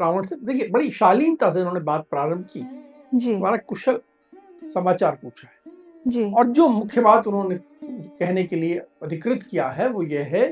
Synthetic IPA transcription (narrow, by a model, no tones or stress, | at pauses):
ɾaːʋəɳɖsed̪eːkʰiebɐɽiʃaːliːnt̪as̬eʊnɦõːnebaːt̪̚pɾaːɾəmbʱkiː | d͡ʒiɐmaːɾakʊʃəl | sɐmaːt͡ʃaːɾpuːt͡ʃʰaɦɛː | d͡ʒiɔːɾd͡ʒoːmʊkʰjəbaːt̪ʊnɦõne | kɛɦnekelieɐd̪ʱɪkɾɪt̪kijaɦɛʋojeɦɛ